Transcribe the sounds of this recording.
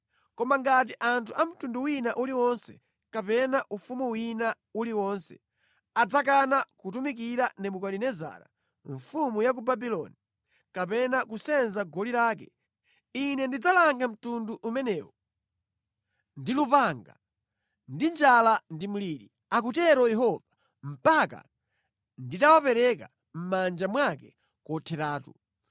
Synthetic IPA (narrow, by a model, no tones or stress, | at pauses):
kɔmaŋɡat̬iʔantʰuam̩tunduwinaʔuliwɔnsɛ̰ | kapɛnaʔufumuwina | uliwɔnsɛ̰ | ad͡zak̬anakut̬umik̬iɾanɛmukalinɛza̰ːɾa̰ | ɱfumujak̬ubabilɔ̰ni | kapɛnakusɛnzaɡɔliɾaːk̬ɛ̰ | inɛndid͡zalaŋɡam̩tunduʔːmɛnɛːwɔ | ndilupaŋɡa̰ | ndind͡ʒalandim̩liɾi | ak̬utɛɾɔjɛɦɔva | m̩paka̰ | nditawapɛɾɛka̰ | m̩mand͡ʒamwakɛ | kɔtʰɛtaːtu